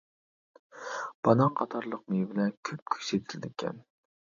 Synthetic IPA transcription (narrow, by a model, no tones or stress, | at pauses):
b̥ɑnɑqʰɑt̪ʰɑɾlˠəq̚mebɪlɛnkʲʰøp̚kʲʰy̥set̪ʰɪlɪd̪ɪkʲʰɛ̰n